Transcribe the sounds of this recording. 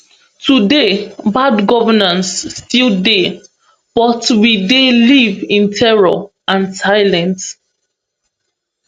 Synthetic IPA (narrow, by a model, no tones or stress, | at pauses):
tʰudebadɡɔvənãnsːtilˠde | b̥ɔtwidelivĩntʰɛɹɔ̰ | ʔãnsaɪlɛ̃nt